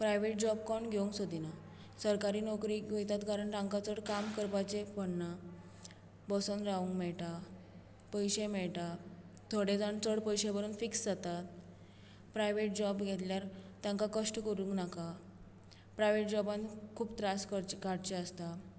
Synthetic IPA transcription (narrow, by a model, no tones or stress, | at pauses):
pɾajʋeʈ̚d͡ʑɔb̚kɔɳɡʱeũŋksod̪ʱina | səɾkaɾiːnɔkɾiɡojt̪at̪ɡʱaɾəɳɾãŋkat͡səɽkamkəɾpat͡ɕepəɽna | bɔsənɾaũŋkmɛɭʈa | pəjɕẽmɛɭʈa | t̪ʰoɽed͡zaɳt͡səɽpəjɕebəɾuːnfiksd͡zat̪at̪ | pɾajʋeʈ̚d͡ʑɔbɡʱet̪ljaɾt̪jãŋkakəʂʈkəɾũŋknaka | pɾajʋeʈ̚d͡ʑɔbãnkʰuːbt̪ɾaskəkaɽt͡ɕeəst̪a